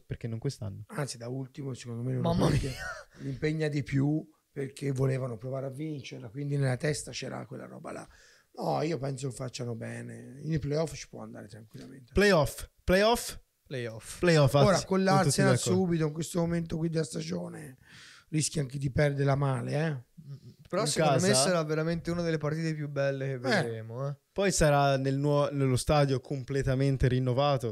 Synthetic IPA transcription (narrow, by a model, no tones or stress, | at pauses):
peɾkenːoŋkwest̪a̰nːoant̪sid̪ault̪imosekond̪omenomak̪elimpeɲːad̪ipju | perkʰevːoleːvanopɾovaːɾeavːint͡ʃeɾlakwind̪inelːat̪ɛst̪at͡ʃɛːɾa̰kwelːa̰ɾɔ̰ːba̰la̰ | nɔiːopɛnsokefːat͡ʃːanobɛːneilplejɔft͡ʃi̥pwɔ̰a̰nd̪a̰ːɾet̪ɾaŋkwilːament̪eplejɔfplejɔf | plejɔfplejɔfoːɾakolːaɾt̪ːusenasuːbit̪oiŋkwest̪omoment̪okwid̪ːelast̪ad͡ʒoːne | riskjaaŋked̪ipɛrd̪eɾlamaːleɛ | peɾɔŋskamesaɾavːeɾament̪eunad̪elːepaɾt̪iːt̪epjubːɛlːek̟evːed̪ɾeːmoɛpɔjsaɾanelnwɔnelːost̪aːd̪jokʰomplet̪ament̪eɾinːovaːt̪o